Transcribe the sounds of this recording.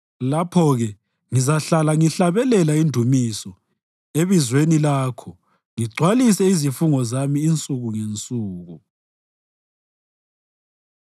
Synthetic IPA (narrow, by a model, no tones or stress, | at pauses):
lapʰɔɣɛ | ŋizaɬalaŋiɬaβɛlɛlaindʱumisɔ | eβizwenilaːkʰɔ | ŋiɡ͡ǀʱwalisɛizifuŋɔzamiːnt͡sʼuɣuŋent͡sʼuːɣu